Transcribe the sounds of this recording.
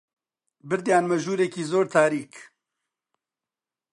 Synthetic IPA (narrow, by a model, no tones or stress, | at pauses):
bɨɾd̪jaːnmɐʒuːɾeːkiːzoːɾt̪ʰaːɾiːk